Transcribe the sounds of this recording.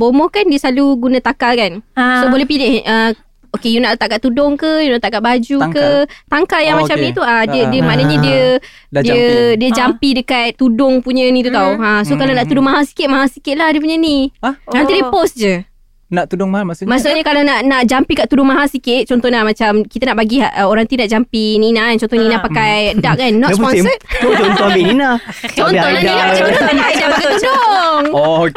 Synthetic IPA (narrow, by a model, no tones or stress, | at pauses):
bomɔkandiəsaluɡunat̪akalkansobolɛhpilɪhə | okejunaʔt̪akaʔ̪̚t̪udɔŋkəjunaʔt̪akaʔ̪̚bad͡ʒukət̪aŋkaljaŋmãt͡ʃamnĩt̪uadiədiəmanəɲədiə | ddiədiəd͡ʒampidəkat̪ːudʊŋpuɲənĩt̪ut̪auãsokalanaʔt̪udʊŋmaɦalsi̥kɪt̪̚maɦasikɪt̪̚lahdəp̬uɲənimənt̪idiəposd͡ʒə | naʔt̪udʊŋmahalmasʊmasokɲəkalanaʔnaʔd͡ʒampikaʔt̪udʊŋmaɦalsikɪt̪̚t͡ʃɔnt̪ɔnlamãt͡ʃamkit̪anaʔbaɡiaʔəoɾaŋt̪inaʔd͡ʒampininant͡ʃɔnt̪ɔninapakajədaʔ̚anːɔʔpɔnsət̪̚t̪ut͡ʃɔnt̪ɔhabininat͡ʃɔnɔnainaaɔadakpakaudoŋ